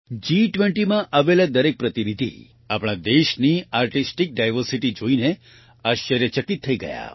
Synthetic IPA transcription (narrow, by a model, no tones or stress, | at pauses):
d͡ʒiʈʋeɳʈimãʔaʋelad̪əɾek̚pɾət̪inid̪ʱḭ | apɽ̃ad̪eʃniaɾʈisʈik̚ɖajʋəɾsiʈid͡ʒoine | aʃjəɾjəʃəkit̪ʰːəiɡə̰ja̰